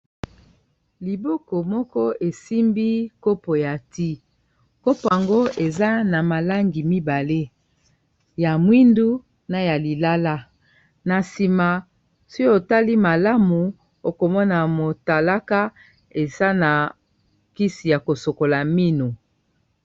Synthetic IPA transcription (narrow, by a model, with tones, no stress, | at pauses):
li˨bɔ˦kɔ˨mɔ˦kɔ˦e˨si˦mbi˦ko˦po˨ja˨ti˦ | ko˦po˨a˨ŋɡo˦e˨za˦na˨ma˨la˦ŋɡi˨mi˦ba˨le˦ | ja˨mwi˦ndu˦ | na˨ja˨li˨la˦la˦ | na˨si˨ma˨ | so˦o˨ta˦li˦ma˨la˦mu˨ | o˨ko˨mɔ˦na˨mo˨ta˨la˦ka˦ | e˨za˦na˨ | ki˦si˨ja˨ko˨so˨ko˨la˨mi˦nu˨